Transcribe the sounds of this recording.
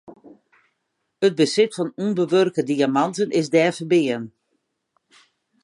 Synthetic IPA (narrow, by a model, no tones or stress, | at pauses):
ət̚bəsɪtfɔnunbəʋørkədiamɑntənɪzdɛːfəbɪən